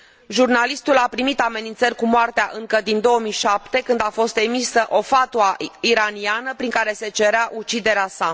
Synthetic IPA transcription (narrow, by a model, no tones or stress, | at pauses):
ʒurnalist̪ulapɾimit̪ame̞nint̪sərʲkumoart̪eaʔɨŋkəd̪ind̪o̞omijʃapt̪e̞kɨnd̪afo̞st̪e̞misəʔo̞fat̪uaiɾanianəpɾiŋkaɾe̞se̞t͡ʃe̞ɾeaʔut͡ʃid̪e̞ɾeasa